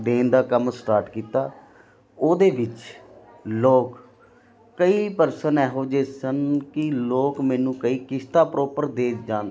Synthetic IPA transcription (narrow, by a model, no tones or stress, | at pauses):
d̪eːnd̪aːkəmsʈaːɾʈkiːt̪aː | oːd̪eːʋɪt͡ʃ | loːk | kːəiːpəɾsənɛːɦoːd͡ʒeːsənkɪloːkmɛ̃ːnũːkəiːkɪst̪aːpɾɔːpəɾd̪eːt͡ʃd͡ʒãːnd̪